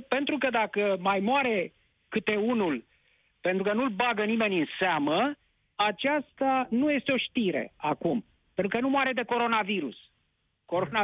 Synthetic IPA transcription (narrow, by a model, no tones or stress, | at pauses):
pe̞nt̪ɾukəd̪akəmajmoaɾe̞ | kɨt̪e̞unul | pe̞nt̪ɾukənulbaɡənime̞nʲɨnseamə | at͡ʃast̪anuje̞st̪eo̞ʃt̪iɾe̞̰akum | pent̪ukənumoaɾe̞d̪e̞ko̞ɾo̞naviɾṵs | ko̞ɾona